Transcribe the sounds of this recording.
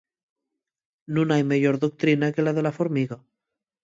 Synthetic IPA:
nũnajmeʝoɾðok̚t̪ɾinakelaðelafoɾmiɣa

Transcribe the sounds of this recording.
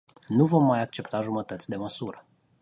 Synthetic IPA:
nuvo̞mːajak̚t͡ʃe̞pt̪aʒumət̪ət̪sʲd̪e̞məsuɾə

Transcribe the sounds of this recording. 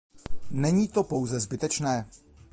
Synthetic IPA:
nɛɲiːt̪o̞po̞wzɛzbɪt̪ɛt͡ʃnɛː

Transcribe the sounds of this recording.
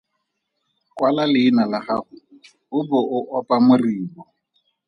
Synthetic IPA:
kʼwalalɪːnalaχaχʊ | ʊbʊʔʊʔɔpʼamʊriːbɔ

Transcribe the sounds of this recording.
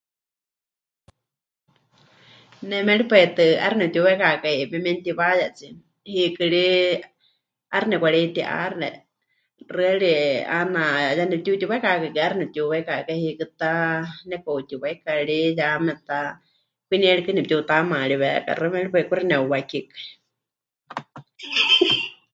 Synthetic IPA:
nɛmɛɺipɛt̪ɨʔa̰ɾɨnɛp̚t̪ʲuwɛkakaimɛmɛnt̪iβajat͡si | hikɨɺi | aɾɨnɛkʷaɺɛnt̪iʔa̰rɛ | rɨɛɺianajanɛp̚t̪ut̪ʲiwakakakɨaɾinɛp̚t̪uwekakahikɨt̪anɛkout̪ʲiwaikaɺijamɛt̪a | kʷiniɛɺikɨnɛp̚t̪ʲut̪amãɺiβɛ̰ka̰rɨmɛɺipɛkuɾinɛuwakikḁ

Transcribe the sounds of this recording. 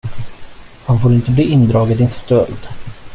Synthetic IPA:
hanfoːɾɪnt̪əbliːɪnd̪ɾɑːɡəd̪ɪnst̪œld̪

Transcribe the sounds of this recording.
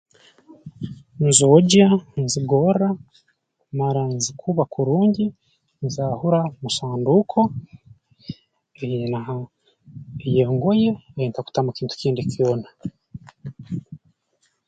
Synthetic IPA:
nzoːɟanziɡo̞ɾa | maɾanzikʰuβakʰuɾuːɲɟi | nzaːhuɾamusaːndukʰo̞ | ejenaɦa | ejeːŋɡo̞jeːjiːntaku̥tamukiːntu̥ciːndikiona

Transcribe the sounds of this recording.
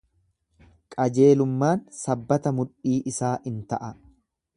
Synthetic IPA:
kʼɐd͡ʒe̞ːlʊmːaːnsɐbːɐt̪ɐmʊᶑiːʔɪsaːʔɪnt̪ɐʔɐ

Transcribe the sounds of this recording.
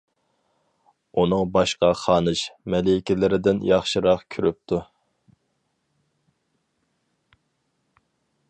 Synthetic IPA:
unɨŋbɑʃqɑχɑːnɨʃmɛlɪkʲɪlɪɾɪd̪ɪnjɑχʃiɾɑqkʲʰyɾyp̚t̪ʰu

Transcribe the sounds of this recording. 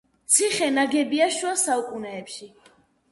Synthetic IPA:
t̪sʰiχɛnaɡɛbiaʃuasaukʼunɛːpʃi

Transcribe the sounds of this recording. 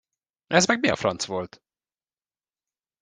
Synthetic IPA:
ʔɛzmɛɡ̚miɒ̰frɒnt̪svo̞lt̪

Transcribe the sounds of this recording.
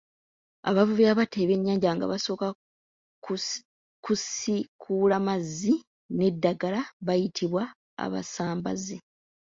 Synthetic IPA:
a̰βavuviaβate̞βe̞ɲːaːɲɟaŋɡa̰βaso̞ːka | kusikʰulamazːi | ne̞dːaɡalaβajitʰiβwa | a̰βa̰saːmbaze

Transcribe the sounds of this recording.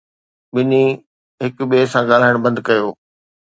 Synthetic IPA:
ɓɪni | ɦɪkɓeːsãɡaːl̤aːɪɽ̃bɐ̃nd̪kɐjoː

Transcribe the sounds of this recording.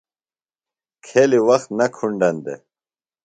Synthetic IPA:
kʰeliwɐxt̪nɐkʰuɳɖɐnd̪e

